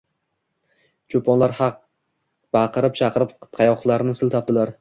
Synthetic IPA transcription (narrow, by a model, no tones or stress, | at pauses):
t͡ʃʰopʰɒnlaɾhɑq̚ | b̥ɑqʰɨɾɪp̚t͡ʃʰɑqɨɾɪpt̪qʰɑjɒχlˠaɾnɪsɪlˠt̪ʰap̚d̪ɪlaɾ